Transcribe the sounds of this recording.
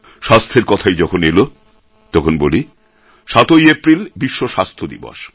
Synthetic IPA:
ʃast̪ʰeɾkɔt̪ʰajd͡ʑɔkʰonelo | t̪ɔkʰonboli | ʃat̪ojepɾilbiʃːoʃast̪ʰod̪ḭbo̰ʃ

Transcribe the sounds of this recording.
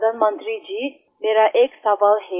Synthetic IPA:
d̪ʱanmənt̪ɾid͡ʒi | meɾaʔeksɐʋalɦe

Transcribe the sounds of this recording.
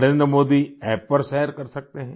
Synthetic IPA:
ɾẽːnd̪ɾəmoːd̪iɛːpːəɾʃɛːəɾkɐɾsɐk̚t̪eɦɛ̃ː

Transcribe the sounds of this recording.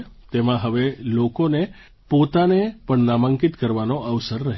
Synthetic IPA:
t̪emãɦəʋelokone | pot̪anepəɳnamə̃ŋkit̪kəɾʋanoəʋsəɾːəɦ

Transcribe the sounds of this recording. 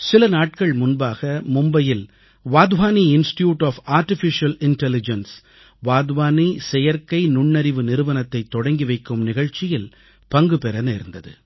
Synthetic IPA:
sɪlɐnaːʈ̚kɐɭmʊnbaːɣɐmʊmbɐjɪl | ʋaːd̪ʋaːniɪnsʈjuːʈaːfaːɾʈɪfɪʂɐlɪnʈɛlɪd͡ʒɐns | ʋaːd̪ʋaːnisɛjɐɾkɐɪnʊɳːɐɾɪʋɯnɪɾɯʋɐnɐt̪ːɐɪt̪ːɔɽɐŋɡiʋɐɪkːɯmnɪɣɐɻt͡ʃɪjɪl | pɐŋɡɯpɛɾɐneːɾnd̪ɐðɯ̰

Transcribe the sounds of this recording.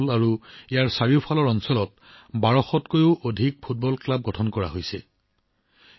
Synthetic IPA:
laɹuijaɹsaɹiʊpʰalɔɹɔnsɔlɔt | baɹɔxɔtkojʊʔodʱik̚pʰut̚bɔlklab̚ɡɔtʰɔnkɔɹa̰ɦojsɛ

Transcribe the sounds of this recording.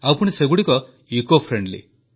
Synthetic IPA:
apuñiseɡuɽikɔ | ikopʰɾeɳɖlḭ

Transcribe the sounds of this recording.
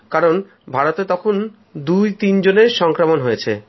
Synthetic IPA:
kaɾon | bʱaɾot̪et̪ɔkʰon | d̪ujt̪ind͡ʑoneɾʃɔŋkɾamonɦojet͡ɕʰe

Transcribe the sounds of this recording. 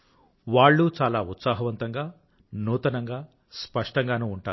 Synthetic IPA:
ʋaːɭːut͡ʃaːlaːut̪saːɦɐʋɐnt̪ɐŋɡaː | nuːt̪ɐnɐŋɡaː | spɐʂʈɐŋɡaːnuːuɳʈaːu

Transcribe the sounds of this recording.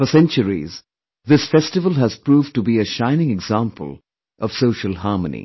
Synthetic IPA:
fəsɛ̃nt͡ʃəɹḭz | ðɪsfɛstɨvəlˠɦəz̥pɹuːvʈubiɨʃãɪ̃nɪ̃ŋɛɡzãmpʰə̰lˠ | ʔʌv̥soʊʃəlˠhɑːɹmənḭ

